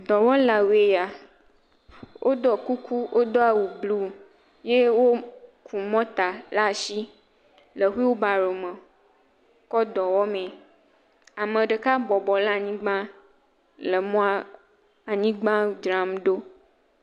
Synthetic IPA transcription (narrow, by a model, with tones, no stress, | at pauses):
d̪ɔ˨wɔ˦la˨we˨ja˨ | wʔo˦d̪ɔ˨ku˦ku˦ʔo˦d̪ɔ˦a˨wu˨blu˦ | je˦wo˦kʰu˨mɔ̃˦t̪a˨la˦ʃi˦ | lə˨xu˦i˦wo˦ba˨ɾo˨mə̃˨ | kɔ˦d̪ɔ˨wɔ˦mẽ˨ | a˨mə̃˨ɖə˨ka˦bɔ˨bɔ˨la˦˨ɲĩ˦ɡ͡bã˦ | lə˨mɔ̃˦a˦ | a˨ɲĩ˦ɡ͡bã˦d͡ʒɾa˨mɖo˦